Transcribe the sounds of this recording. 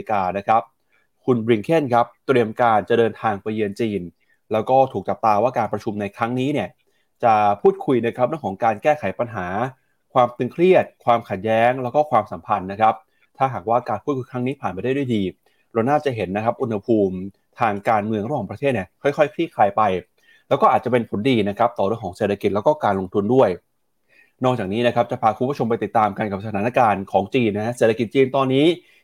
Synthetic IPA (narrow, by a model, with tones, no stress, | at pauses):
kaː˧na˦˥kʰa˦˥p̚ | kʰu˧nbɾi˧ŋkʰe˥˩nkʰa˦˥p̚t̪ɾi˧əmkaː˧nt͡ɕa˨˩dɤː˧nt̪ʰaː˧ŋpa˧jːɯ˧ənt͡ɕiː˧n | lɛː˦˥wkɔː˥˩t̪ʰuː˨˩k̚t͡ɕa˨˩p̚t̪aː˧waː˥˩kaː˧npɾa˧t͡ɕʰu˧mna˧jkʰɾa˦˥ŋniː˦˥ni˥˩ɐ | t͡ɕa˨˩pʰuː˥˩t̪̚kʰu˧jna˦˥kʰɾa˦˥p̚ɾɯ˥˩əŋʰɔː˩˦ŋkaː˧nkɛː˥˩kʰa˩˦jpa˧nɦaː˩˦ | kʰwaː˧mt̪ɯ˧ŋkʰɾi˥˩ət̪̚kʰwaː˧mkʰa˨˩t̪̚jɛː˦˥ŋlɛː˦˥wkɔː˥˩kʰwaː˧msa˩˦mpʰa˧nːa˦˥kʰa˦˥p̚ | t̪ʰaː˥˩ɦaː˨˩k̚waː˥˩kaː˧npʰuː˥˩t̪̚kʰu˧jkʰɾa˦˥ŋniː˦˥pʰaː˨˩npa˧jda˥˩da˥˩jdiː˧ | ɾa˧wnaː˥˩t͡ɕa˨˩ɦe˩˦nːa˦˥kʰa˦˥p̚ʔu˧nha˧pʰuː˧m | t̪ʰaː˧ŋkaː˧nmɯ˧əŋɾa˧˥waː˨˩pɾa˧t̪ʰeː˥˩t̪̚ni˥˩əkʰɔ˥˩jkʰxʰɔ˥˩jkʰɾiː˥˩kʰlaː˧jpa˧j | lɛː˦˥kɔː˥˩ʔaː˨˩t̚t͡ɕa˨˩pe˧npʰo˩˦ndiː˧na˦˥kʰa˦˥p̚t̪ɔː˨ɾɯ˥˩əŋkʰɔ˩˦ŋseː˨˩t̪ʰːa˧ki˨˩t̪̚lɛ˦˥kɔː˥˩kaː˧nlo˧ŋt̪ʰu˧ndu˥˩əj | nɔː˥˩t͡ɕaː˨˩k̚niː˦˥na˦˥kʰa˦˥p̚t͡ɕa˨˩pʰaː˧kʰu˧˩bt͡ɕʰo˧mpa˧jt̪i˨˩t̪ːaː˧mka˧nka˨˩p̚sa˧t̪ʰaː˩˦na˥˩kaː˧nkʰɔː˩˦ŋt͡ɕiː˧nːa˥kʰa˦˥seː˨˩t̪ʰa˧ki˨˩t̪̚t͡ɕiː˧nt̪ɔː˧nːiː˦˥